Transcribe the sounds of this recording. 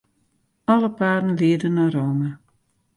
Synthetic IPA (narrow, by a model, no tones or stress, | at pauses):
ɑləpaːɾənlɪːədənaɾowma